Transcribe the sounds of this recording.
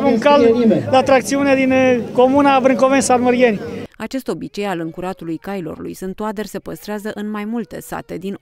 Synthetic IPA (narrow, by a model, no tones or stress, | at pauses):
uŋkalimd̪at̪ɾak̚t̪siune̞d̪inko̞munabɾɨŋko̞vensalməɾienʲat͡ʃe̞st̪o̞bit͡ʃe̞jalɨŋkuɾat̪ulujkailo̞̰rlṵjsunt̪oad̪ərʲse̞pəst̪ɾeazəʔɨnmajmult̪ḛsa̰t̪e̞d̪in